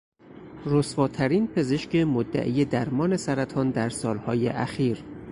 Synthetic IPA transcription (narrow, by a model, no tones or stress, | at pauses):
ɾosvɒːt̪ʰæɾiːnpʰe̞ze̞ʃcemod̪ːæ̰ʔiːje̞d̪æɾmɒːne̞sæɾæt̪ʰɒːnd̪æɾsɒːlhɒːjeʔæxiːɾ